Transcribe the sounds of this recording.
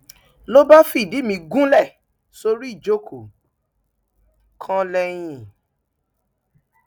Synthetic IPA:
lo˦ba˦fi˦˨di˨˦mĩ˧ɡũ˦lɛ˦˨ | so˧ɾi˦i˦˨d͡ʒo˦kʰo˨ | kʰã˧lɛ˧j̃ĩ˦˨

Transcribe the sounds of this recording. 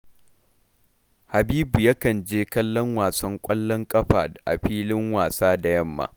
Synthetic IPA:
ha˨biː˦bu˨ja˦kɐ˨nd͡ʒeː˦kɐ˦lːɔ˦ŋwaː˨sɐ˦ŋkʷʼɐ˦lːɔ˦ŋkʼɐ˦ɸa̰ː˨dʔa̰˨ɸiː˦lɪ˦ŋwaː˨saː˦da˨jɐ˦mːa̰ː˨

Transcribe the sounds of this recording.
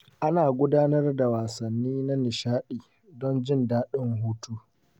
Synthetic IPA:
ʔa˦naː˨ɡʷʊ˦daː˦nɐ˦rda˨waː˨sɐ˨nːiː˦na˦nɪ˨ʃaː˦ɗiː˨ | dɔ˦nd͡ʒɪ˦ndaː˦ɗɪ˦ŋhuː˦tuː˦

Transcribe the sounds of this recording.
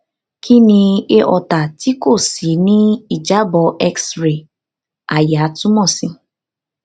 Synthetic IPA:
kʰi˦nĩ˧e˦ʔɔ˨ta˨ti˦ko˦˨si˨˦nĩ˦i˨d͡ʒa˨˦bɔ˧ʔɛ˦ksɾe˨ | a˨ja˨˦tũ˦mɔ̃˦˨si˧

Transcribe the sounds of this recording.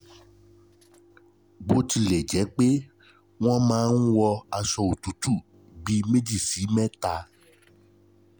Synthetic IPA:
ɡ͡bo˦ti˧lɛ˨d͡ʒɛ˨˦k͡pe˦ | w̃ɔ̃˦mãː˨˦n̩˦wɔ˧a˧ʃɔ˧o˨tu˨˦tu˦˨ | ɡ͡bi˧˦me˦d͡ʒi˦˨si˨˦mɛ̃˦ta˧

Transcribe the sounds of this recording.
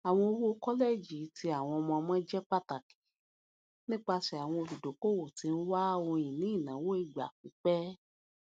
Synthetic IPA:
a˨w̃ɔ̃˧o˧wo˦kɔ˦le˦˨d͡ʒi˨˦tʰi˧˦a˨w̃ɔ̃˧ɔ˧mɔ̃˧mɔ̃˦d͡ʒɛ˦k͡pa˦ta˨ki̥˨ | nĩ˦k͡pa˧ʃɛ˨a˨w̃ɔ̃˧o˧˨bi˨do˨˦ko˦˨wo˨ti˨˧n̩˦wa˦õ˧jĩ˨nĩ˨˦i˦˨nã˨˦wo˦i˦˨ɡ͡ba̰˨k͡pi˨˦k͡pɛ˦

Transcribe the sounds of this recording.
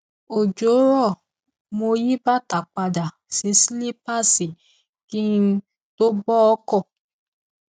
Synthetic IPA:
o˨d͡ʒo˨˦ɾɔ˦˨ | mo˧ji˦ba˦ta˨k͡pa˧da˨ | sĩ˨˦si˦li˦pa˦˨si˨ | ki˦n˦ | to˦bɔ˦ɔ˦kɔ˦˨

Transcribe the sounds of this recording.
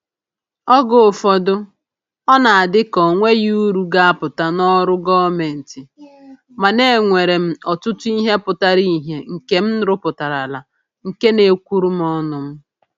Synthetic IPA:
ɔ˦ɡo˨fɔ˨dʊ˦ | ɔ˦na˨a˨dɪ˦kɔ˨ŋʷe˦juu˦ɾu˨ɡa˦a˦pʊ˨ta˨nɔ˦ɾʊ˦ɡɔ˦me˨n̩˨tɪ˨ | ma˨ne˦˨ŋʷe˨ɾe˨m̩˦ɔ˨tʊ˦tʊ˦i˦ɦe˦pʊ˨ta˦ɾi˦ɦe˨ŋ̩˨ke˦m̩˦ɾʊ˦pʊ˨ta˨ɾa˨la˨ | ŋ̩˨ke˦ne˨kʷu˦ɾu˦m̩˦ɔ˦nʊ˨m̩˦

